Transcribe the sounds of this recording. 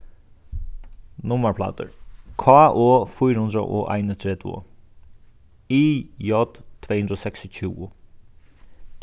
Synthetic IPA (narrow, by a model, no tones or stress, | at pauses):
nʊməɹpʰlɑ̰ːt̪ə̰ɾkʰɑːʔoːfʊjɾhʉnd̪ɾə̰ʔo̰ːʔa̰ɪnət̪ʰɾeːd̪ʋʊ̰ | iːjɔd̪ʰːʋeːhʉnd̪ɾoːsɛksɪc͡çʰʉːʊ